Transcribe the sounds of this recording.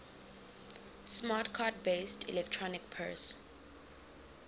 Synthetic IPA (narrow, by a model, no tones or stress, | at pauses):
smatkʰadbestʰḭlɛk̚tʰɹɔnikpʰɛ̰s